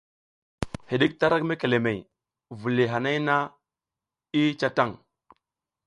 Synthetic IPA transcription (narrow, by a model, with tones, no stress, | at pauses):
hi˨ɗi˦k̚ta˦ɾa˦kme˦ke˨le˨me˨j | vu˨li˨ɦa˨na˦jna˦ | i˦t͡ʃa˦ta˦˨ŋ